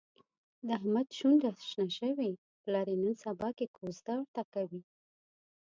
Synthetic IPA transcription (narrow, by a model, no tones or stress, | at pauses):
d̪əɦmad̪ʃund̪asʃnaʃəwe | pəlɑɾenənsabɑkekʰozd̪awəɾt̪akawi